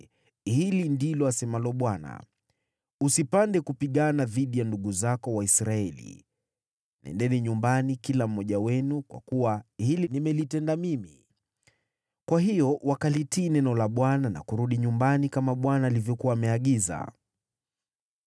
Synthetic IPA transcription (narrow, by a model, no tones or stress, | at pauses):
hilindilɔasɛmalɔɓwana̰ | usipandɛkupiɠanaðiɗijanduɠuzakɔwaisɾaɛlḭ | nɛ̰ndɛniɲumbanikilam̩ːɔʄawɛnukwa̰kuwahilinimɛlitɛndamimi | kwaɦijɔwakalitiːnɛnɔlaɓwanana̰kuɾuɗiɲumbanikamaɓwanaːlivjɔkuwaːmɛaɠiza̰